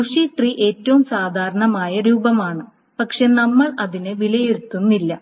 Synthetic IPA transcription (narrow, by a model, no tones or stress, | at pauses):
kuʂiʈriʔe̞ːtːɐʋumsaːd̪ʱaːɾɐɳɐmaːjɐɾuːbɐmaːɳɨ | pɐkʂe̞nɐmːɐɭɐðinɨʋilɐjeɾut̪ːunːilːɐ